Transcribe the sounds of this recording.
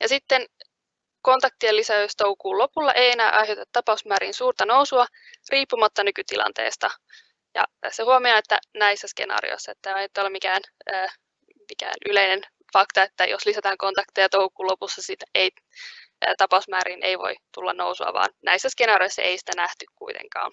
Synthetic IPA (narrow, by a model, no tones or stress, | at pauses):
jɑsit̪ːen | ko̞nt̪ɑk̚t̪ielːisæost̪oukuːlo̞pulːɑ̰ʔejenæːʔɑjɦot̪ɑt̪t̪ːɑpɑusmæːɾiːnsuːrt̪ɑnousuɑ | riːpːumɑt̪ːɑnykyt̪ilʔɑ̰nt̪e̞̰ːst̪ɑ | jɑ̰sehuɑmiɑet̪ːæ̰næisːæskḛnɑ̰ːrḭo̰isːɑet̪ːæɑet̪ːolːemikæːnəː | mikæ̰ːnyleinen | fɑkt̪ɑet̪ːæjo̰slisæt̪æːŋko̞nt̪ɑkt̪ijɑt̪oukuːlopusːɑsit̪ej | t̪ɑpɑusmæːɾiːneijʋo̞̰it̪ulːɑ̰nnowsuɑ̰ʋɑ̰ːnnæ̰isːæskenɑːɾioisːɑ̰ʔeisi̥t̪ænæht̪ykkuit̪ḛŋkɑ̰ːn